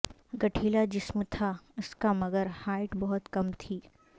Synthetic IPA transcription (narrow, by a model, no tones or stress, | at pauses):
ɡɐʈʰiːlad͡ʒɪsmt̪ʰaʊskamɐɡəɾhaːɪʈbɔɦʊt̪kɐmt̪ʰiː